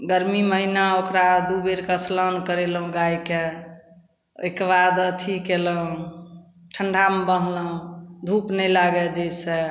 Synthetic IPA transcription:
ɡəɾmiməɦinaokɾad̪ubeɾkəslənkəɾelɦũɡaike | ekβad̪ət̪ʰikeləɦũ | ʈʰəɳɖʱambənləɦũd̪ʱupnɛjlaɡɛd͡ʒəjse

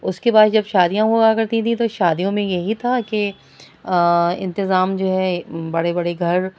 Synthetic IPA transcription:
ʊskebaːd̪d͡ʒɐbʃaːd̪ijãɦoɡakɐɾt̪ĩt̪ʰĩt̪oʃaːd̪ijõmẽjɐɦit̪ʰake | ɪ̰̃nt̪ɪzaːmd͡ʒoːɦɛbɐɽebɐɽeɡʱɐɾ

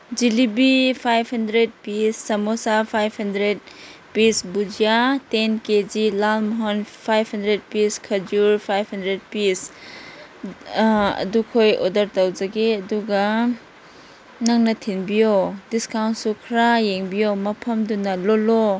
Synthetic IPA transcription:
d͡ʒilibipʰajphɐndɾed̚pisːɐmosapʰajphɐndɾed̚ | pisbud͡ʒijatenked͡ʒilalmɔɦonpʰajphɐndɾed̚piskʰɐd͡ʒuɾpʰajphɐndɾed̚pis | ɐ̰dukʰojodɐɾtɐwzɐɡeɐduɡɐ | nɐŋnɐtʰinbijodiskawnsukʰɾajeŋbijomɐpʰɐmdunɐlolo

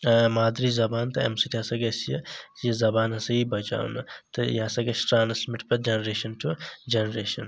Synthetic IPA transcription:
maːd̪ɾizɐbaːnt̪ɐḛmsit̪iɐsɐɡɐsijɐjɐzɐbaːnɐsɐibɐt͡ʃa̰ːwnɐt̪ɐjaːsɐɡɐsʈɾaːnsmɪʈpɐɾd͡ʒɐnɐɾeːʃɐnʈud͡ʒɐnɐɾeːʃɐn

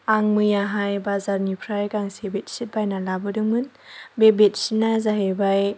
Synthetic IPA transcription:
aŋmɯjaɦajbazaɾnipʰɾajkaŋsebet̚sit̚bajnalabɯdɯŋmɯn | bebet̚sit̚nazaɦebaj

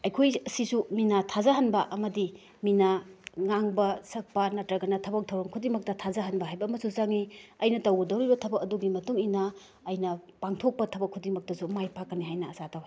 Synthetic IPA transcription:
ɐjkʰojɐsisuminatʰazɐɦɐnbɐʔɐmɐdi | minaŋaŋbɐsɐk̚pɐnɐtɾɐɡɐnɐtʰɐbɐk̚tʰɐwɾɐŋkʰudiŋmɐk̚tɐtʰazɐɦɐnbɐɦajbɐːmɐsuzaŋiɐjnɐtɐwɡɐdɐwɾibɐtʰɐbɐkɐduɡimɐtuŋinɐ | ɐjnɐpaŋtʰok̚pɐtʰɐbɐkʰːudiŋmɐk̚tɐsumajpakːɐniɦajnɐːsatawha

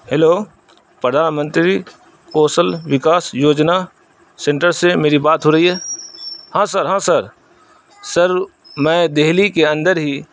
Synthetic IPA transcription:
heloː | pɾəd̪ʱaːnmə̃nt̪ɾi | koːsəlʋɪkaːsjoːd͡ʒna | sẽɳʈəɾsemeːɾibaːt̪ɦoɾɐɦiɦɛː | hãːsəɾɦãːsɐɾ | sɐɾ | mɛ̃ːd̪eɦlikeɐ̃nd̪əɾɦi

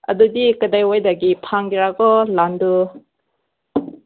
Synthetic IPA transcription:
ɐ̰dudikadajwajdaɡipʰaŋɡiɾaɡɔlandu

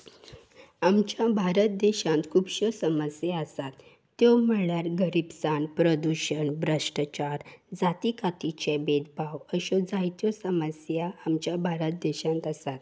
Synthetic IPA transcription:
amt͡ɕjabʱaɾət̪̚d̪eɕãnt̪kʰubɕɔsəməsjaəsat̪ː | ɔwməɭjaɾɡəɾibsaɳpɾəd̪uɕəɳbɾəʂʈət͡ɕaɾd͡zat̪ikat̪it͡ɕebed̪bʱawəɕɔd͡zajt̪jɔsəməsjaːmt͡ɕjabʱaɾət̪̚d̪eɕãnt̪əsat̪

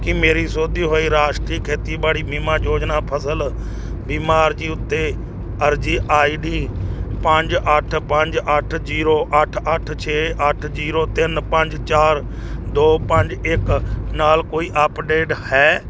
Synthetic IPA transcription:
kimeːɾiːsoːd̪iːɦoːiːɾaːʃʈɾiːkʰeːt̪iːbaːɽiːmiːmaːjoːd͡ʒnaːpʰəsəl | biːmaːɾd͡ʒiːʊt̪ːe | əɾd͡ʒiːʔaːiːɖiːpə̃ɲd͡ʒəʈʰpə̃ɲd͡ʒəʈʰziːɾoːʔəʈʰəʈʰt͡ʃʰeːʔəʈʰd͡ʒiːɾoːt̪ɪnpə̃ɲd͡ʒt͡ʃaːɾ | d̪oːpə̃ɲd͡ʒɪknaːlkoːiːʔəːpɖeːɖhɛː

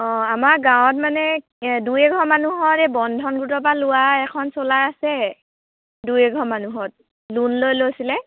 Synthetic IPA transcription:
ɔ̃amaɡãwɔt̚manɛ | dujɛɡʱɔmanuɦɔɹɛbɔndʱɔnɡutɔpalʊwaɛkʰɔnsolajasɛ | dujɛɡʱɔmanuɦɔt̚ | lunlojlojsilɛ

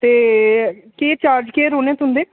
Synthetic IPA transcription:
t̪eː | keːt͡ʃaːɾd͡ʒkeːɾoːneːt̪ʊɦʊnd̪eː

